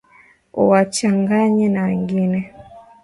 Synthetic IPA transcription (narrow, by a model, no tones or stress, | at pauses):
ṵwat͡ʃaŋɡaɲɛnawɛŋɡinɛ